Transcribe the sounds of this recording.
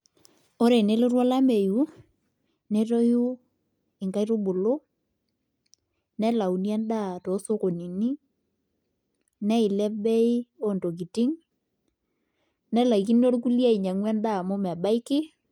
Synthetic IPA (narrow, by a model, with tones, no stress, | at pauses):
o˦ɾe˨ne˦lo˦rwɔ˦la˦me˨ju˨˦ | ne˦to˦ju˦ | ɪ˨ŋka˦i˦ɾo˦bʊ˨lo˦ | nɛ˦la˨u˨njɛ˦nda˦˨to˨˦so˦ko˨ni˨ni˦ | nɛ˦i˨lɛ˦bɛ˦i˦o˦˨nto˨k̬i˨ti˦ŋ | nɛ˦la˨i˨ki˦n˦o˦ɾu˦k̬u˦lja˦i˨ɲa˨ŋwɛ˦nda˦˨mo˦m˨a˨ba˦i˦kɪ˦